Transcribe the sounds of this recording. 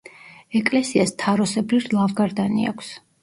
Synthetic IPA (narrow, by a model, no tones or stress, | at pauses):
ɛkʼlɛsiast̪ʰaɾɔsɛbliɾlˠavɡaɾd̪anḭa̰kʰʷs